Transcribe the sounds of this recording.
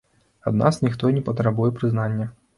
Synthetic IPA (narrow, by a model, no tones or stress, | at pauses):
a̰d̪na̰snʲixt̪ɔnʲɛpɐt̪ɾabujɛpɾɨznanʲːɐ